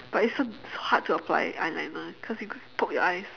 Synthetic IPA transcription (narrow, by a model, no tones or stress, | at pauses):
b̥atitsosohad̚tʰːuəpʰla̰ɪã̰ɪ̃nlãɪ̃nəkʰɔsjupʰʊt̚jɔ̰ʔaɪs